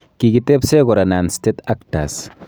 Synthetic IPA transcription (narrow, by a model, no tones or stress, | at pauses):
kiɡitepseɡɔɾananstetak̚ta̰s